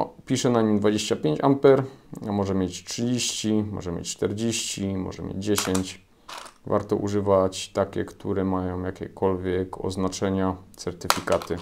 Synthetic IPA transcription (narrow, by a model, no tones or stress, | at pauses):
pʲiʂɛnaɲimd̪vad͡ʑeɕt͡ɕapʲjeɲt͡ɕampɛɾamɔʐɛmʲjet͡ɕtʂɘd͡ʑeɕt͡ɕimɔ̰ʐɛmʲjḛt͡ɕʲt͡ʂt̪ɛɾd͡ʑeɕt͡ɕimɔ̰ʐɛmjḛd͡ʑd͡ʑeɕeɲt͡ɕ | va̰ɾt̪ɔ̰ʔṵʐɘvat͡ɕt̪akʲɛ̰kt̪ʰuɾɛmajɔ̃w̃jakʲɛ̰kɔlvʲjɛkʰɔ̰znat͡ʂɛɲat̪sɛɾt̪ɘfʲikat̪ɘ